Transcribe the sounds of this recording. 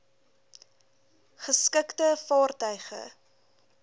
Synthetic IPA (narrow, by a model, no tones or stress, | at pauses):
χəskəktəfɑːrtœɥχə̰